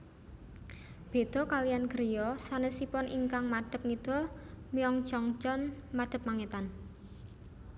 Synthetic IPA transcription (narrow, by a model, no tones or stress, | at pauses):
b̥e̤d̪̥ɔ̤kalijanɡəɾijɔsanəsipɔnʔiŋkaŋmaɖ̪̥ə̤p̚ŋid̪̥ɔ̤lmiɔŋ̥t͡ʃɔŋt͡ʃɔnmad̥ə̤p̚maŋet̪an